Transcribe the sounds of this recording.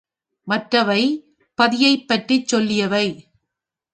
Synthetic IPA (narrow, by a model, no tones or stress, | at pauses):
mɐʈrɐʋɐɪ | pɐðɪjɐɪpːɐʈrit͡ʃːɔlːɪjɐʋɐɪ